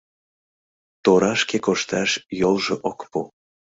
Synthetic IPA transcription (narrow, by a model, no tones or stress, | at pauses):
t̪oɾɑʃkekoʃt̪ɑʃjolˠʒeʔokpu